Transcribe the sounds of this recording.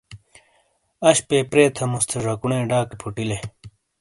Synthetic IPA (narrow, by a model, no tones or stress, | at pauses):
ɐɕpeːpɾeːt̪ʰɐmust̪ʰeʐɐkuɳẽːɖaːkepʰuʈile